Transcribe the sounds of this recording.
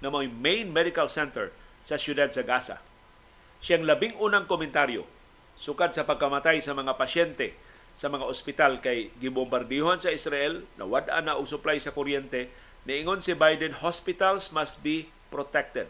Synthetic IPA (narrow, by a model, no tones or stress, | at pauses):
ŋɐmojmẽjnmɛd̪ɪkalsɛnt̪ɛɹ | sɐsjʊd̪ad̪̚sɐɡasa̰ | ʃjaŋlɐbɪŋʔuːnaŋkomɪnt̪aɾjo̰ | sʊkad̪̚sɐpɐɡ̚kɐmat̪ajsɐmɐŋapɐʃɛnt̪ɛ | sɐmɐŋaospɪt̪alkajɡɪbʊmbaɾd̪ɛjohansɐɪsɾaʔɛlnʔɐ̰wad̪ʔa̰naʔoɡsʊplajsɐkoɾjɛnt̪ɛ | nɐʔɪŋonsɪbajd̪ɛnhɔspɪt̪alsmast̪̚bi | pɾot̪ɛk̚t̪ɛd̪̚